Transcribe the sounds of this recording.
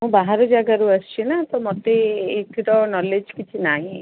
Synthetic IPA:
ɦũbaɦaɾod͡ʒaɡaɾuəst͡ʃʰinat̪ɔmɔt̪eːkiɽɔnɔled͡ʒkit͡ʃʰinaɦĩ

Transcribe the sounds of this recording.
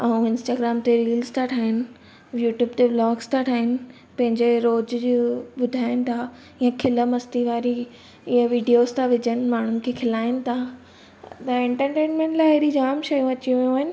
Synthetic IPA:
ɐũɪ̃nsʈaːɡɾaːmt̪eɾiːlzt̪ʰaʈʰaːɦɪnɪ̆ | juːʈjuːbt̪eblɔːɡst̪ʰaʈʰaːɦɪnɪ̆ | pɐ̃ɦɪ̃ɲd͡ʑeɾoːd͡ʑd͡ʑoɓʊd̪ʱaːɪnɪ̆t̪ʰa | ɪjãkʰɪləmɐst̪iʋaːɾi | ɪə̃ʋiːɖijozt̪ʰaʋɪd͡ʑənɪ̆maːɳ̤ʊnɪ̆kʰekʰɪlaːɪnɪ̆t̪ʰa | t̪ɐẽɳʈəɾʈẽːnmẽɳʈlaːɪɦeɾid͡ʑaːmʃɐjũɐt͡ɕijũʋjũaːɦɪnɪ̆

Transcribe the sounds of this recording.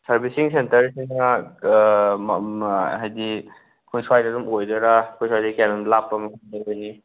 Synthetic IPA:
sɐɾbisiŋsentɐɾsiŋa | ɦajdi | kʰojswajdadumojdɐɾakʰojswajdikanamlapːɐmɐɦadaojni

